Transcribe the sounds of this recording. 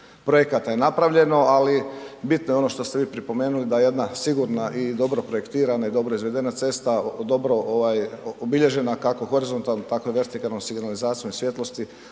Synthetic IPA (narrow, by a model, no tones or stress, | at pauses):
pɾo̞je̞kat̪ajenapɾaʋʎe̞no̞alibit̪nojeo̞no̞ʃt̪o̞st̪e̞ʋiːpɾipo̞me̞ːnulid̪aje̞d̪nasiɡuɾnaʔid̪o̞bɾo̞pɾo̞je̞kt̪iːɾanaid̪o̞bɾo̞izʋe̞d̪e̞nat̪se̞st̪ad̪o̞bɾo̞ʔoʋajobiʎe̞ʒe̞nakako̞xo̞ɾizo̞nt̪alˠnot̪akoeʋe̞ɾt̪ikalnomsiɡnalizaːt̪sijomisʋje̞t̪lo̞st̪i